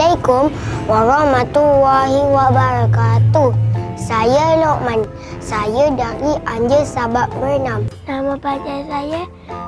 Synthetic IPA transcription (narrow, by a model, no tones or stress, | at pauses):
akomwaɾawmat̪uwaɦiwaʔbaɾakat̪usajəloʔman | sajədaɾiaɲd͡ʒəsabap̚bərnamnamapad͡ʒajsajə